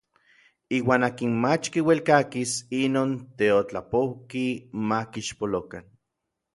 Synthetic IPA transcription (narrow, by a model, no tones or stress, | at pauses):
iːwaːnaːkinmat͡ʃkiwelkakisinoːnt̪eot͡ɬapowkimakiʃpolokan